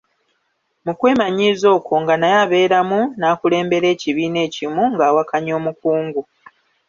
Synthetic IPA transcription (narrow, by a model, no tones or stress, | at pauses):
mukwe̞ːmaɲiːzo̞ːkʰo̞ŋɡanajaβe̞ːɾamunaːkule̞ːmbe̞ɾe̞ːciβiːne̞ːcimuŋɡaːwakaɲo̞ːmukuːŋɡu